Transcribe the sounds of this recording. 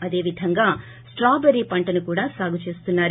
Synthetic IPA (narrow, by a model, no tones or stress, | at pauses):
ɐd̪e̞ːʋid̪ʱɐŋɡaː | sʈɾaːbeɾiːpɐɳʈɐnukuːɽaːsaːɡut͡ʃe̞ːst̪unːaːɾ